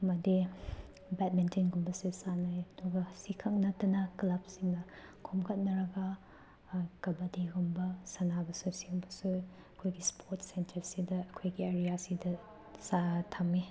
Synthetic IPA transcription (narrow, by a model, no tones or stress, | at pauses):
mɐdi | bɛt̚mentinɡumbɐsusanɐjɐduɡɐsikʰɐk̚nɐtɐnɐklɐbsiŋnɐkʰomkʰɐt̚nɐɾɐɡa | kɐbɐdiɡumbɐsɐnabɐsusiɡbɐsu | ɐkʰojɡispʰoɾtsentʰɐɾsidɐɐkʰojɡieɾijasidɐ | satʰɐmi